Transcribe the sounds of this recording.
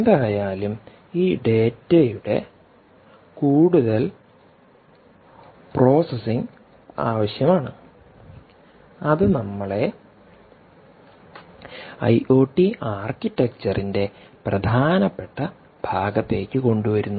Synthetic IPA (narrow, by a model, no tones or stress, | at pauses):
d̪ajaːlum | iːɖe̞ːtːɐjuɽe̞̰ | kuːɽuðɐl | pro̞ːsesiŋ | a̰ːʋɐɕjɐmaːɳɨ | ɐðɨnɐmːɐɭe̞ | ɐ̰jʔo̞ːʈːiaːrkitːek̚t͡ɕɐrʔinde̞prɐd̪ʱaːnɐpːe̞ʈːɐ | b̥ʱaːɡɐt̪ːe̞ːkʲːɨko̞ɳɖuʋɐɾunːu